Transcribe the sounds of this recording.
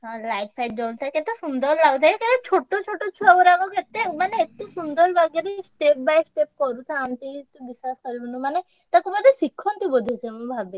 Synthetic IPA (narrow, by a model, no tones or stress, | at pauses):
ɦɔ̃lajʈ̚pʰajʈ̚d͡ʒolt̪ʰajket̪esund̪ɔɾlaɡut̪ʰaeket̪et͡ʃʰoʈːot͡ʃʰoʈːot͡ʃʰuabɔɾaɡoket̪emaneet̪isund̪ɔɾbaɡjaɾesʈep̚bajsʈep̚kɔɾut̪ʰaːmt̪it̪bisaskɔɾibunumane | t̪akubad̪ʱesikʰːɔnt̪ibod̪ʱisʰemubʱabe